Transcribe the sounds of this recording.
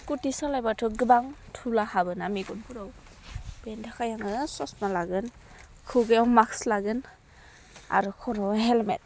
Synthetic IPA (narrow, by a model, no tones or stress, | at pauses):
kutisɔlajbatʰɯɡɯbaŋtʰulahabɯnamiɡut̚buɾɔw | bendʰakʰajaŋɯsɔsmalaɡɯn | kʰɯɡɯjawmakslaɡɯn | a̰ɾukʰɔɾɔwɦelmḛt̚